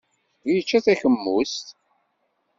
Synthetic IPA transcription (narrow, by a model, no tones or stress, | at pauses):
jət͡ʃːæθæçəmːust̪